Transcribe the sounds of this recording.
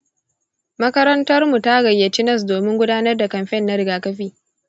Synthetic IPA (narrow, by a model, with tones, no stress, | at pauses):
mɐ˦kɐ˦ɾɐ˦ntɐ˦rmu˨ta˦ɡɐ˨jːɐ˨tɪ˦nɐ˦˨s̬doː˨mɪ˦ŋɡʷʊ˦daː˦nɐ˦rda˨kɐ˨mɸɛ˦˨nːa˦ɾɪ˦ɡaː˨kɐ˦ɸiː˦